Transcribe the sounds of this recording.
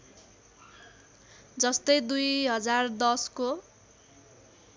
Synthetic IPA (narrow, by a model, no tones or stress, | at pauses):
d͡zʌst̪ʌjd̪ujɦʌd͡zard̪ʌsko